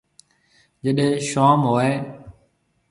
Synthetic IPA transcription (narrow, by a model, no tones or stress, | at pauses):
d͡ʒəɗẽːʃaːmɦoːeː